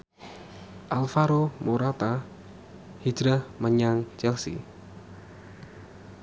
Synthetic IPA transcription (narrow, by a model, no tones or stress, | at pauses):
ʔalfaɾomoɾat̪a | hi̥d͡ʒɾaməɲaŋt͡ʃɛlsḭ